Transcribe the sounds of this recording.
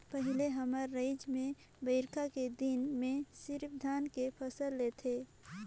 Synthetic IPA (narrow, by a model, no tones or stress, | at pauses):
pəɦɪleɦəməɾːəɪd͡ʒmẽ | bəɪɾkʰaked̪inmẽsɪɾpʰd̪ʱaːnkepʰəsəlːet̪ʰe